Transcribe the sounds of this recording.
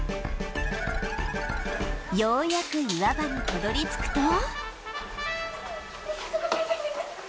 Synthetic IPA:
joːjakɯ̟ɯβabanit̪ad̪o̞ɾʲit͡sɨ̥kɯ̟̥t̪o

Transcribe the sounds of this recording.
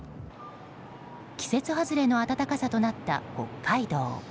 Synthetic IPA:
kʲi̥se̞t͡sɨɦazɨɾe̞no̞at̪at̪akasat̪o̞nat̪ːa̰ko̞̰kʰːaid̪o̰ː

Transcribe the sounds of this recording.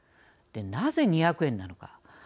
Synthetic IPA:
d̪̥e̞naze̞ɲ̟içakɯ̟ẽ̞nːano̞ka̰

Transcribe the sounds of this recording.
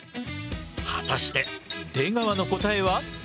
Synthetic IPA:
hat̪aɕi̥t̪e̞d̪̥e̞ːɡaβano̞ko̞t̪ae̞βa

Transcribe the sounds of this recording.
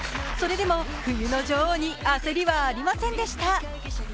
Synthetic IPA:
so̞ɾe̞d̪e̞mo̞ | ɸɯ̟jɯ̟no̞d͡ʑoːɲ̟iase̞ɾʲiβaːɾʲimasẽ̞nd̪e̞ɕi̥t̪a

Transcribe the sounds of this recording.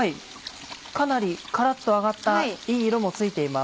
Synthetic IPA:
ai | kanaɾʲikaɾat̪ːo̞aɡat̪ːaiːɾo̞mo̞t͡sɨit̪e̞ima

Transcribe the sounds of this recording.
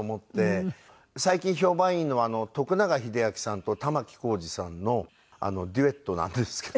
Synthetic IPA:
mo̞t̪ːe̞ | saikʲĩɰ̃ço̞ːbãɰ̃ĩnːo̞aːno̞t̪o̞kɯ̟naɡaçid̪e̞akʲi̥sãnt̪o̞t̪amakʲi̥ko̞ːʑisãnːo̞ | a̰no̞d̪ʲie̞t̪ːo̞nã̰nd̪esɨ̥ke

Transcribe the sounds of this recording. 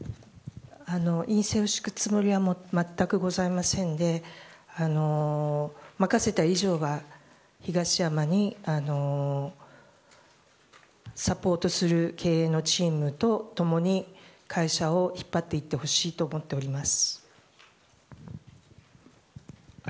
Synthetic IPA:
ano̞ʔĩɰ̃seoɕi̥kɯ̟̥t͡sɨmo̞ɾʲiβamomat̪ːakɯ̟ɡo̞zaimasẽ̞nd̪e̞ano̞ | makase̞t̪aiʑo̞ːɡa | çiɡaɕijamaɲ̟iano̞ | sapo̞ːt̪o̞sɨɾɯ̟kʰe̞ːeːno̞t͡ɕiːmɯ̟t̪o̞t̪o̞mo̞ɲ̟ikʰaiɕao̞çi̥pːat̪ːe̞it̪ːe̞ho̞ɕiːt̪o̞ːmo̞t̪ːe̞o̞ɾʲimasɨ̥

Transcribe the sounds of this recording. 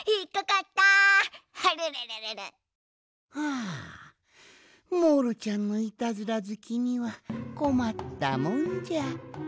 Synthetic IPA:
ikːakat̪ːahaɾɯɾeɾeɾeɾɨ | aː | moɾɯ̟t͡ɕãnːo̞it̪azɨɾazɨkʲiɲ̟iβako̞mat̪ːamõɲd͡ʑa

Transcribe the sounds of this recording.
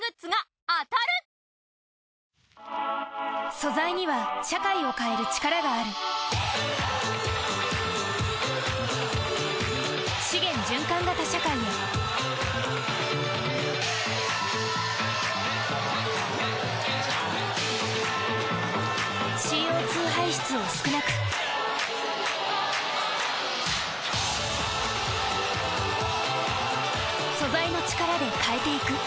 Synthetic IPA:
ɨt͡sɨɡa | at̪aɾɯ̟ | so̞zaiɲ̟iβaɕakaio̞kae̞ɾɯ̟t͡ɕi̥kaɾaɡaːɾɯ̟ | ɕiɡẽ̞ɲ̟d͡ʑɨ̃ŋkãŋɡat̪aɕakaiɲi | ɕiːo̞ːt͡sɨːɦaiɕi̥t͡sɨosɨ̥kɯ̟nakɯ̟̥ | so̞zaino̞t͡ɕi̥kaɾad̪e̞kʰae̞t̪e̞ikɯ̟

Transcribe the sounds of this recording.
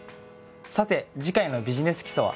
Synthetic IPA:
sat̪e̞d͡ʑikaino̞bʲiʑine̞sɨ̥kʲi̥soβa̰

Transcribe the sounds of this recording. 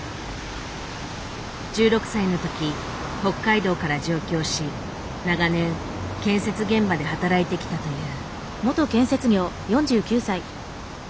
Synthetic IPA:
d͡ʑɨːɾo̞kɯ̟̥saino̞t̪o̞kʲi | ho̞kːaid̪o̞ːkaɾad͡ʑo̞ːkʲo̞ːɕi | naɡanẽ̞ŋ | kẽ̞ɰ̃se̞t͡sɨɡẽ̞mbad̪e̞ɦat̪aɾait̪e̞kʲi̥t̪at̪o̞jɯ̟ː | mo̞t̪o̞kẽ̞ɰ̃se̞t͡sɨɡʲo̞ː | jõ̞ɲ̟d͡ʑɨːkʲɨːsai

